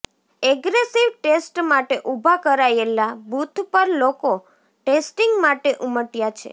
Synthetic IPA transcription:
ɛɡɾesiʋʈesʈmaʈeʔubʱakəɾajelabʱut̪ʰpəɾloko | ʈesʈiŋɡmaʈeʔuməʈjat͡ʃʰḛ

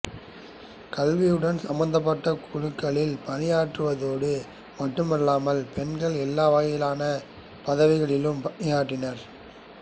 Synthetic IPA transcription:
kɐlʋɪjɯɽɐnsɐmːɐnd̪ɐp̬ːɐʈːɐkʰʊɻɯkːɐɭɪlpɐnɪjaːʈrɯʋɐðoːɽɯ | mɐʈːɯmɪlːaːmɐlpɛnɡɐɭɛlːaːʋaːjɪlaːnɐ | pɐðɐʋɪɣɐɭɪlɯmpɐnɪjaːʈːɪnɐɾ

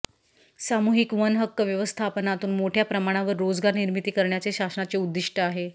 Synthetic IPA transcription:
samuɦikʋənɦəkːəʋjəʋəst̪ʰapənat̪uːnmoʈʰjapɾəmaɽ̃aʋəɾːod͡zɡaɾniɾmit̪iːkəɾɳjat͡seɕasənat͡seud̪ːiʂʈʰəaɦe

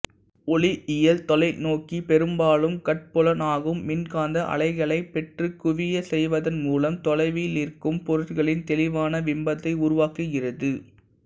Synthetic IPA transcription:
ɔɭiʔɪjɐlt̪ɔlɐɪnoːkipɛɾɯmbaːɭɯmkɐʈ̚pɔlɐnaːɣɯmːɪnkaːnd̪ɐʔɐ̰ɭɐɪɣɐɭɐɪpɛʈrɯkːʊʋɪjɐsɛjʋɐðɐnmuːlɐmt̪ɔlɐɪʋilirkɯmpɔɾɯʈkɐɭɪnt̪ɛlɪʋaːnɐʋɪmbɐt̪ːɐɪʊɾʊʋaːkɯɣɪrɐðɯ

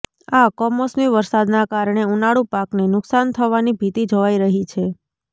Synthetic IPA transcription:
akɔmɔsmiʋəɾsad̪nakaɾɳeunaɽupaknenʊksant̪ʰəʋanibʱit̪id͡ʒoʋaiɾəɦit͡ʃʰe

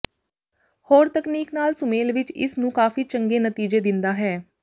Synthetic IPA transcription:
hoːɾt̪əkniːknaːlsʊmeːlʋɪt͡ʃɪ̰snũːkaːfiːt͡ʃəŋɡeːnət̪iːd͡ʒeːd̪ɪnd̪aːɦɛː

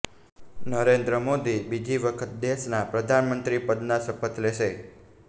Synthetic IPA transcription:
nəɾend̪ɾəmod̪ibid͡ʒʱiʋəkʰət̪̚d̪eʃnapɾəd̪ʱanmənt̪ɾipəd̪nasəpət̪leʃe

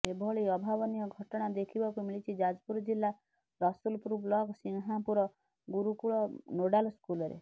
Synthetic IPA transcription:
ebʱɔɭiɔbʱabɔnijɔɡʱɔʈɔɽ̃ad̪ekʰibɔkumiɭit͡ʃʰid͡ʒad͡ʒpuɾɔd͡ʒilːa | ɾɔsulpuɾublɔɡsiŋɦapuɾɔ | ɡuɾukuɭɔnoɽalskulɔɾḛ

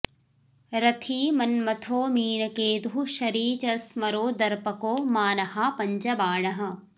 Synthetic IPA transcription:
ɾɐt̪ʰiːmɐnmɐt̪ʰoːmiːnɐkeːd̪ɦuʃɐɾiːt͡ʃɐsmɐɾoːd̪ɐɾpɐkoːmaːnɐhapɐɲt͡ʃɐbaːɳɐɦɐ̆

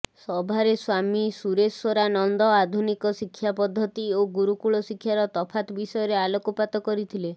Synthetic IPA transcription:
sɔbʱaɾeswamisuɾesɔɾanɔnd̪ɔad̪ʱunikɔsikʰːjapɔd̪ʱːɔt̪ioɡuɾukuɭɔsikʰːjaɾɔt̪ɔpʰat̪ɔbisɔjɔɾealokɔpat̪ɔkɔɾit̪ʰile

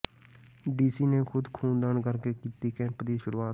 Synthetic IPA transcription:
ɖiːsiːneːkʰʊd̪kʰuːnd̪aːɳkəɾkeːkiːt̪iːkɛ̃ːmpd̪iːʃʊɾuːaːt̪

